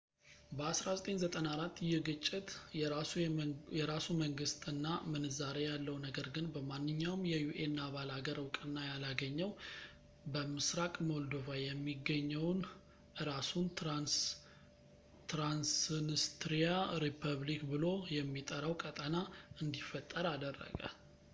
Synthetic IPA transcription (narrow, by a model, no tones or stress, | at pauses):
bəasɾazət̪ʼe̞ɲzət̪ʼənaɾat̪ːjɪhɡɨt͡ʃʼːɪt̪ | jɛɾasuməŋɡɨst̪ʼɨnːamɨnɨzaɾejalːəwnəɡəɾɡɨnbəmanːɨɲːawmjɛjuʔenːaβalaɡəɾɨwkʼɨnːajalaɡəɲːəw | bəmɨsɾakʼmold̪ovajɛmːiɡəɲːəwn | ʔɨɾasunn | t̪ɾansnist̪ɾijaɾipʰəβlikbɨlo̞jɛmːit̪ʼəɾəwkʼət̪ʼənaɨnd̪ifːət̪ʼːəɾad̪ərːə̰ɡə̰